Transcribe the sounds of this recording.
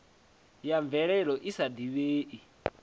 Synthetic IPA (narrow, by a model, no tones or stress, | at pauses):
jaɱvɛɺɛɺɔʔisad̪iβeːʔi